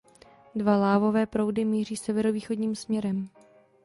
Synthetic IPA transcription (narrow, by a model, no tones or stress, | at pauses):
dvalaːvo̞vɛːpɾowdɪmiːr̝iːsɛvɛɾoviːxo̞dɲiːmsmɲɛɾɛm